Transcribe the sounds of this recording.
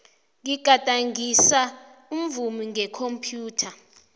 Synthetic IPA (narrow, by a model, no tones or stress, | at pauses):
ŋiɡ̥ʱatʼaŋisa | um̩vumiŋɛkʰompʰjuːtʰa